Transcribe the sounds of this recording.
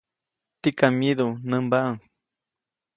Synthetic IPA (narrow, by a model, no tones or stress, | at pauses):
t̪ikamiðunəmbaʔaŋ